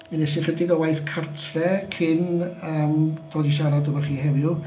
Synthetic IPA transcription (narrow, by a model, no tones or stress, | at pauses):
minɛsɪnχədɪɡɔwajθkʰartʰrɛkʰɪnəːmd̥ɔːdis̬aɾadəmaχiːhɛvɪʊ